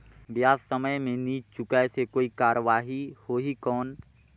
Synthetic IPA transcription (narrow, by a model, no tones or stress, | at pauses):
bjaːzsəməjmẽniːt͡ʃʊkasekoːikaːɾəʋaːɦihoːɦikɔːn